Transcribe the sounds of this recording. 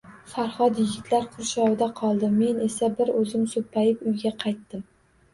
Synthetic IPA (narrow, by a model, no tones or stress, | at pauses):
faɾχɒd̪jɪɡʲɪt̪laɾqʰʊɾʃɒwd̪aqʰɒlˠd̪ɪme̞ne̞sabɪɾɵzɪmsopʰːajɪpʊjɡʲaqʰɑjt̪ːɪm